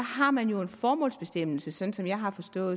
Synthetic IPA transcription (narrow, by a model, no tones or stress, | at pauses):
ɑɦɑ̈mænjo̝e̝nfɒːmɔ̰̽ːlsb̥e̝sd̥em̰l̩səsɒ̽nn̩sɒ̽mjɑ̈ɪɦɑ̈fɒ̽sd̥ɔ̰ːð̩